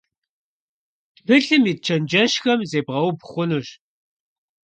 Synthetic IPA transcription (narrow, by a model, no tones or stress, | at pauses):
d̥bʰɨɬɨmiːt̚t͡ʃʰɐnd͡ʒɐʃxɐmzeːbʁɐwbχʷʊnuɕ